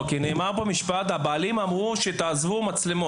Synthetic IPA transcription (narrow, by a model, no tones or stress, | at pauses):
kineːmaʁbamiʃpat̪habaːlimamʁuʃet̪aːzvumat͡slemo